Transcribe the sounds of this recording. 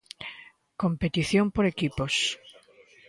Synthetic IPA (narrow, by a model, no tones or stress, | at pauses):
kompet̪iθjompoɾekipos